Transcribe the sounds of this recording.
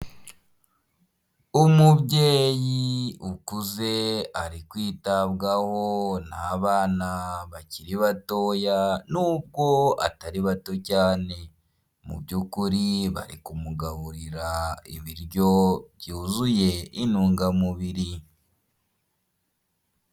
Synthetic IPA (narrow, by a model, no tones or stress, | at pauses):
umuβɟe̞ːjiukuze̞aɾikwiːtaβɡaho̞naːβaːnaβaciɾiβato̞ːjanuːb̚ɡo̞a̰taɾiβato̞caːne̞ | mṵbɟuːkuɾiβa̰ɾikumuɡaβuɾiɾaḭβiɾɟo̞βjuːzuje̞inuːŋɡamuβiɾi